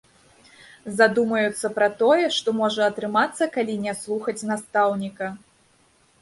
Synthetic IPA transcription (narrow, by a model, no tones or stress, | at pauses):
zad̪umɐjut̪sːɐpɾɐt̪ɔjɛʂt̪ɔmɔʐɐɐt̪ɾɨmat̪sːɐkalʲinʲɛslˠuxɐt͡sʲnast̪awnʲikɐ